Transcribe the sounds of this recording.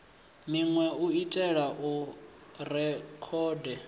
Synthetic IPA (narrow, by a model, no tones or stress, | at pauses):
niŋwɛuitʼɛɺaʔu | rɛkʰɔːdɛ